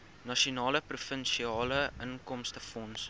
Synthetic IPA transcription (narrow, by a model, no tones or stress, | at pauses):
nɐʃiunɑːləprufənʃiɑːləʔənkɔmstəfɔns